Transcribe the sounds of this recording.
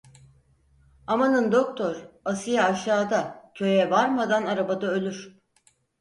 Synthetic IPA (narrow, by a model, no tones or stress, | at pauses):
amanɯnd̪o̞k̚t̪ʰo̞ɾasɯjaːʃaːd̪acʰø̞jɛvaɾmad̪anaɾabad̪aø̞lʲyɾ̥